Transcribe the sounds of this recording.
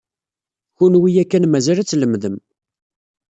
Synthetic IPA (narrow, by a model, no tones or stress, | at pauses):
çunwijækːænmæzælæt͡sːləmðəm